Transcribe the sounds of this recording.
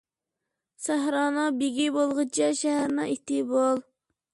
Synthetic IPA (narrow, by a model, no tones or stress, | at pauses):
sæɦɾɑːnɨbeɡʲibolˠʁɨt͡ʃʰɛʃæɦæɾnɨŋet̪ɪbolˠ